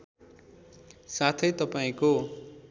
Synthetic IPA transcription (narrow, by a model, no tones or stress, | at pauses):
sat̪ʰʌjt̪ʌpaĩko